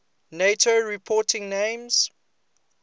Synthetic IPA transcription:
netʰoɹipʰɔːˑtʰɪ̃ŋnẽmz̥

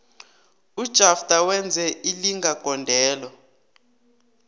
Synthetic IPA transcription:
ud̥ʒ̥ʱafd̥ʱawɛnd͡zʱɛʔiliŋɡaɡ̥ʱɔndʱɛːlɔ

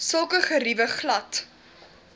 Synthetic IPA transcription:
səlˠkəχəɾivəχlɐt

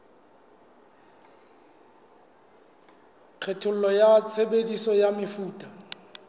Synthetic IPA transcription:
k͡xʰɛtʰʊl̩lɔjat͡sʰebedisɔjamɪfuːtʼa

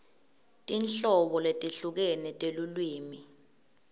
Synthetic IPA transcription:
tʼinɬɔɓɔletʼiɬuk̬ɛnɛtʼelulwiːmi

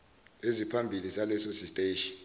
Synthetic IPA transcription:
ezipʰambʱilizalɛsosistʼeʃin

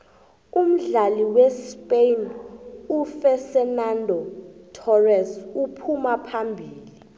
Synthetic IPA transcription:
um̩ɮaliwɛspʼejnufɛsɛnandʱɔtʰɔrɛsupʰumapʰambʱiːli

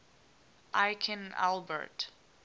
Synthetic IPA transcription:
ʔajkʰə̃na̰lbə̰t

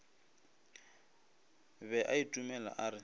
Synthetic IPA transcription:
bɛʔaitʼumɛla̰ʔarɪ

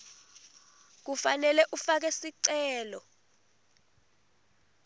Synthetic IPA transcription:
k̬ufanɛlɛʔufak̬ɛsiǀɛːlɔ

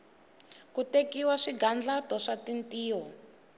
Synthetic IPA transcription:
kutekiwaʂiɡand͡ɮatɔʂatintiːɔ

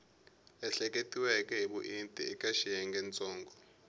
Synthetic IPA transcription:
ɛɬɛk̬ʼetʼiwɛkʼɛɦiɓuʔintʼḭɛkʼaʃijɛŋɡʱɛnt͡sʼɔːŋɡʱɔ

